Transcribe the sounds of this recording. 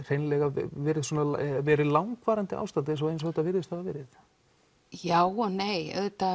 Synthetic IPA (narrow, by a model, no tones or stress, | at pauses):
r̥ejnlɛːɣavɛːɾɪð̥swɔnalvɛːɾɪðlawŋkvaːɾant̪ɪa̰wst̪at̪ɪs̬ɔejnsɔɣɛt̪avɪɾðɪst̪ʰaðavɛɾɪθ | jaːwnejœ̰ðt̪a